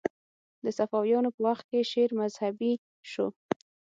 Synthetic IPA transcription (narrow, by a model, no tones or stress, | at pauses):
d̪əsafɑwjɑnopəwaxt̪̚keʃeɾmazhabi | ʃo